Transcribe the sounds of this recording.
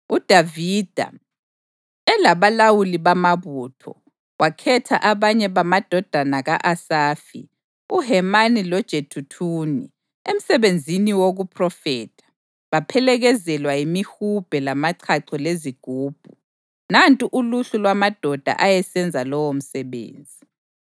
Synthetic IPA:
ud̥ʱavid̥ʱa̰ | ɛlaβalawuliβamaβuːtʰɔ̰ | wʔakʰɛtʰa̰ʔaβaɲɛβamad̥ʱɔd̥ʱanaɣaʔasaːfḭ | uɦɛmanilɔd̥ʒ̥ʱetʰutʰuːni | em̩sɛβend͡zʱiniwoɣupʰʼrɔfɛːtʰḁ | βapʰɛlɛɣɛzɛlwajimihub̥ʱɛlamaǀʰaǀʰɔleziɡ̥ʱuːb̥ʱu | nantʼiʔuluɬulwamad̥ʱɔd̥ʱa̰ʔajɛsɛnd͡zʱalɔwom̩sɛβḛːnd͡zʱi

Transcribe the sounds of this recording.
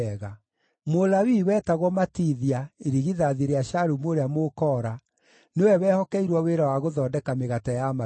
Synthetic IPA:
ɣa | molawiwɛːtaɣwɔmatiðiaeɾiɣiðaðiɾeaɕaɾumoɾeamokɔːɾa | newɛwɛhɔkɛiɾwɔweɾawaɣoðɔːdɛkameɣatajama

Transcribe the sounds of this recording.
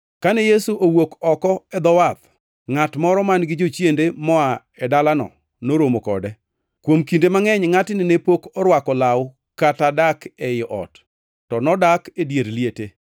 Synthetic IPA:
kanɛjesuʔowokɔkɔɛd̪ɔwat̪ | ŋatmɔɾɔmanɡɪd͡ʒot͡ʃjendemɔa | ɛdalanɔ̰ | noɾomokɔ̰dɛ | kwomkindemaŋɛɲŋatɪnɪnepokɔɾwakɔlaw | katadakɛjʔɔ̰tː | ɔnɔdakedjeɾliete

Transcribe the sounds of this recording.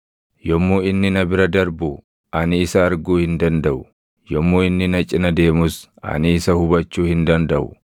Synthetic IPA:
jɔmːuːɪnːɪnɐbɪɾɐd̪ɐɾbu | ʔɐnɪːsɐːɾɡuːhɪnd̪ɐnd̪ɐʔʊ | jɔmːuːɪnːɪnɐt͡ʃʼɪnɐd̪e̞ːmʊsɐ̰nɪːsɐhʊbɐt͡ʃːuːhɪnd̪ɐnd̪ɐʔʊ̰

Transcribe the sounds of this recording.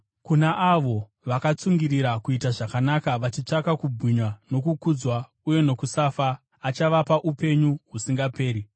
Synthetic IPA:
kunaʔaʋo̞ | ʋakat͡suŋɡiɾiɾakuitaʐakanakaʋat͡ʃit͡ʂakakubʱwiɲwano̞kukud͡zwa | uje̞no̞kusafaː | t͡ʃaʋapaʔupe̞ɲuɦusiŋɡape̞ːɾi

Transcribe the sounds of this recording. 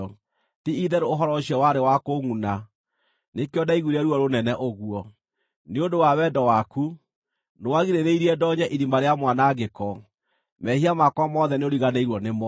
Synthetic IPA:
tiiðɛɾeoɦɔɾɔɕiɛwaɾewakoŋuna | nekeɔdaiɣwuɾeɛɾuɔɾonɛnɛʔoɣuɔ | neondowawɛdɔwaku | nowaɣiɾeɾeiɾiɛdɔɲɛʔiɾimbaɾeamwanaɡekɔ | mɛhiamakwamɔðɛneoɾiɣaneiɾwɔnemɔ

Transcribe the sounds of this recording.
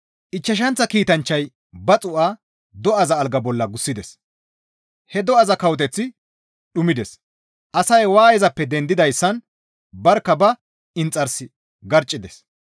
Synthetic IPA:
ʔɪt͡ʃːɐʃ̬ɐnt͡sːɐkiːt̪ɐnt͡ʃːɐj | bɐt͡sʼʊʔaː | d̪ɔɐzɐːlɡɐbɔlːɐɡʊsːɪd̪ɛs | hɛd̪ɔɐzɐkɐwɔt̪ɛt͡sːɪ | ɗʊmɪd̪ɛs | ʔɐsɐjwaːjɛzɐpːɛd̪ɛnd̪ɪd̪ɐjsːɐn | bɐɾkːɐbɐ | ɪnt͡sʼːɐɾsɪ | ɡɐɾt͡ʃʼːɪd̪ɛs

